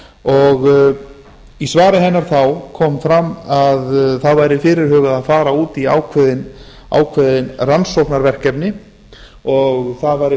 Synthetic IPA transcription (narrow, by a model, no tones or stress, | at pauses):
ɔɣ | isvaːɾɪɦɛnːaɾ̥θawkʰɔːmfɾamːaðθaðvajɾɪfɪːɾɪɾ̥hœːɣaðaðfaːɾauːt̪ia̰wkʰvɛðɪn | a̰ːwkʰvɛðɪnransowhpnaɾvɛr̥kɛpnɪ | ɔɣθaðvajɾɪ